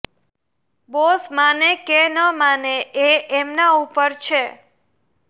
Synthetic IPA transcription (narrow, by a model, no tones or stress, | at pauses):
bosmanekenəmaneeʔɛmnaupəɾt͡ʃʰe